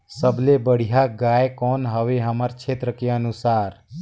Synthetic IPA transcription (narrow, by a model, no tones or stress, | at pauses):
səblebəɽ̤ijaɡaːekɔːnɦəʋeɦəməɾt͡ʃʰeːt̪ɾəkeənusaːɾ